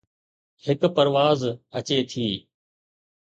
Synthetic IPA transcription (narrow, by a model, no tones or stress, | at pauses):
hɪkpəɾʋaːzət͡ɕeːt̪ʰiː